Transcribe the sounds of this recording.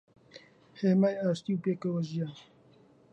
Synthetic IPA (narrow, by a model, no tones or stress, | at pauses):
heːmaːjaːʃt̪iwpeːkɐwɐʒijaːn